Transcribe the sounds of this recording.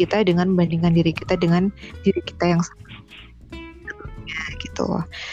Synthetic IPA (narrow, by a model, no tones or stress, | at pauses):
it̪adəŋanbandiŋandiɾikit̪adəŋandiɾiki̥t̪ajaŋsaŋat | bət̪uɲaɡ̥it̪ṵ